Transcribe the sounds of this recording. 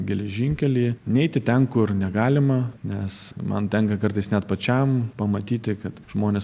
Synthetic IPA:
ɡʲɛlʲɛʒʲɪŋʲkʲɛlʲiːnʲɛɪt̪ʲɪt̪ʲɛŋkʊrnʲɛɡɑːlʲɪmɐnʲɛsmɐ̰nt̪ʲɛŋkɐkɐrt̪ɐɪsnʲɛt̪pɐt͡ʃʲɛmpɐmɐt̪ʲiːt̪ʲɪkɐt̪ʒ̥moːnʲɛs

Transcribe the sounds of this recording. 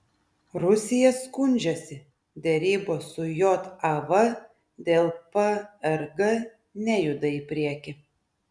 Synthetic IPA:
ɾʊsʲɪjɛskʊnʲd͡ʒʲɛsʲɪ | d̪ʲɛɾʲiːboːsʊjot̪ɐʋɐ | d̪ʲeːlˠpɐɛɾɡɐ | nʲɛjʊd̪ɐɪpʲɾʲiɛkʲɪ

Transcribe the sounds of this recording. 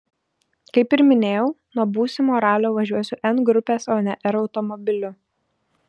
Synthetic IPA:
kɐɪpɪɾmʲɪnʲeːjɛʊnuɔbuːsʲɪmoːɾɑːlʲoːʋɐʒʲuɔsʲʊʔɛnɡɾʊpʲeːsoːnʲɛʔɛɾɒʊt̪ɔmɔbʲɪlʲʊ

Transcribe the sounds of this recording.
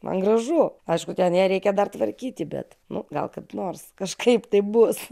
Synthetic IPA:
mʔɐ̰nɡɾɐʒuɐɪʃkʊt̪ʲɛnjæːɾʲɛɪkʲɛd̪ɐrt̪ʋɐɾʲkʲiːt̪ʲɪbʲɛ̰t̪nʊɡɐ̰lˠkɐt̪noːrskɐʃkɐɪpt̪ɐɪpbʊs

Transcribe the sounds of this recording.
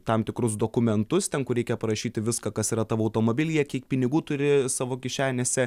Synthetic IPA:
t̪ɐmt̪ʲɪkɾʊsd̪oːkʊmʲɛnt̪ʊst̪ʲɛŋkʊɾʲɛɪkʲɛpɐɾɐʃʲiːt̪ʲɪʋʲɪskɐkɐsiːɾɐt̪ɑːʋɐʊt̪oːmoːbʲɪlʲijɛkʲiɛkpʲɪnʲɪɡuːt̪ʊɾʲɪsɑːʋoːkʲɪʃʲæːnʲeːsʲɛ

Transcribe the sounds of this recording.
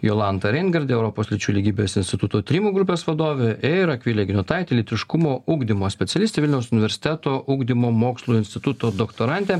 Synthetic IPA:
joːlˠɑnt̪ɐɾʲɛɪnɡɐɾʲd̪ʲeɛʊɾɔpoːslʲɪt͡ʃʲuːlʲiɡʲiːbʲesɪnʲsʲt̪ʲɪt̪ʊt̪oːt̪ʲɾʲiːmuːɡɾʊpʲeːsʋɐd̪oːʋʲeɪɾɐkʲʋʲiːlʲeɡʲɪnʲʊt̪ɑɪt̪ʲelʲɪt̪ʲɾʲɪʃkʊmoːʔuːɡd̪ʲimoːsʲpʲɛt̪sʲɛlʲɪst̪ʲeːʋʲɪlʲnʲɛʊsʊnʲɪʋʲɛɾʲsʲɪ̥t̪ʲɛt̪oːʔuːɡd̪ʲimoːmoːkslˠuːɪnʲsʲt̪ʲɪt̪ʊt̪oːd̪okt̪oːɾɑnʲt̪ʲeː

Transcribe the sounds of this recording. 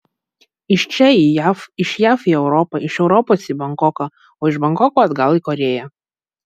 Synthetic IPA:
ɪʃt͡ʃʲɛiːjfɪʃjæːfiːɛʊɾɔpɐɪʃɛʊɾɔpoːsiːbɐŋkɔkɐ | oːɪʒʃbɐŋkɔkoːɐd̪ɡɐlˠiːˑkɔɾʲeːjæ

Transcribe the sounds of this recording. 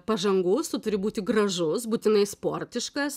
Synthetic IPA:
pɐʒɐŋɡʊst̪ʊt̪ʊɾʲɪbuːt̪ʲɪɡrɐʒʊsbuːt̪ʲɪnɐɪspoːrʲt̪ʲɪʃkɐs

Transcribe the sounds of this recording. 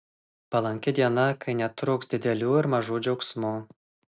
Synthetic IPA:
pɐlˠɐŋʲkʲɛd̪ʲiɛnɐkɐɪnʲɛt̪ɾʊːksd̪ʲɪd̪ʲɛlʲuːɪɾmɐʒuːd͡ʒʲɐʊksmuː

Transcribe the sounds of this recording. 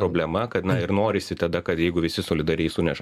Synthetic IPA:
ɾoːbʲlʲɛmɐkɐt̪nɐɪɾnoːɾʲɪsʲɪt̪ɐd̪ɐkɐt̪jɛɪɡʊʋʲɪsʲɪsoːlʲɪd̪ɐɾʲɛɪsʊnʲɛʒ

